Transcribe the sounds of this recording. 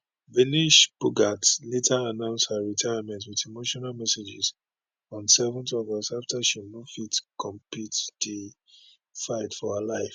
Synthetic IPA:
viniʃpuɡatletʰaːnãʊ̃nsthaɹitʰaɪamɛ̃ntwitimoʃɔnalmɛsed͡ʒɪz | ɔ̃nsɛvə̃ntɔvɔsaftaʃinofitkʰɔ̃mpitdi | faɪtfɔalaɪf

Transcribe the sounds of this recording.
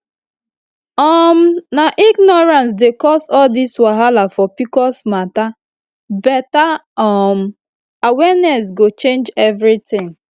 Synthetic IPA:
ɔmnaʔiɡnɔɹãns̬dekɔsɔldiswaɦalafɔpikɔsmata | bɛtaɔm | awɛnɛsɡot͡ʃẽnd͡ʒɛvɾitɪ̃ŋ

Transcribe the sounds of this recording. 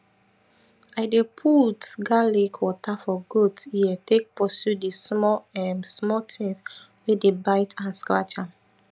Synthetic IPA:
aɪdepʰutɡalekʰwɔtafɔɡotsiɛtek̚pɔsjudismɔɛmsmɔtʰĩŋs | wɛdebaɪtʰãnskɹa̰t͡ʃãm

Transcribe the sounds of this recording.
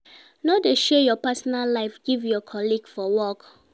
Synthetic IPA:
nodeʃɛjɔpɛsɔnallaɪfɡ̥ivjɔkʰɔliɡfɔwɔk

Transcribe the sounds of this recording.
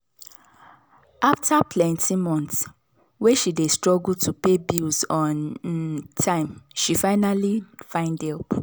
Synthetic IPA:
ʔaftʰapʰlɛ̃ntʰimɔ̃nts | weʃidestɹɔɡultʰupebilzɔ̃n | tʰãɪ̃mʃifaɪnalifãɪ̃ndɛlp

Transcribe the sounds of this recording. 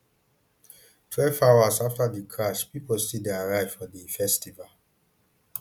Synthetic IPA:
tʰɹɛlfawasaftadikʰɹaʃpipɔstideaɹaɪv̥fɔdifɛstival

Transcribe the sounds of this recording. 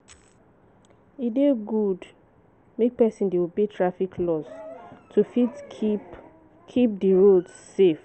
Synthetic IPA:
ideɡud | mek̚pɛsĩndewubetʰɹafikʰlɔstʰufit | kʰip̚diɹodːef

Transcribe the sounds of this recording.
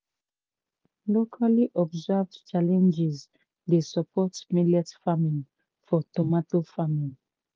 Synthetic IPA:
lokʰaliʔɔbzavdt͡ʃalɛ̃nd͡ʒiz | desəpʰɔtsmilɛtfamĩŋ | fɔtɔmatofamĩŋ

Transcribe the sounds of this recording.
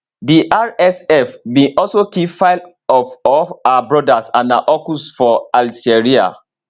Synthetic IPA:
diʔaɹɛsɛfmĩʔɔlsokifaɪl | ɔfɔaabɹɔdasãnaʔɔkusfɔald͡ʒeɹia̰

